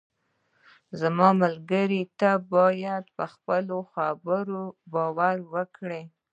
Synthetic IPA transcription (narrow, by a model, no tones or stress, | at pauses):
zamɑməlɡəɾit̪abɑjad̪pəxpəloxabəɾobɑwaɾwəkɽe